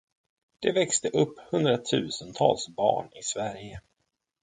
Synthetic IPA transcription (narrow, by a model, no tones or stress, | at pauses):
d̪̥ɛvɛkst̪əʔɵpːhɵnd̪ɾat̪ʰʉ̟ːsənt̪ʰɑ̰ːlsbɑ̰ːɳɪsvæɾjə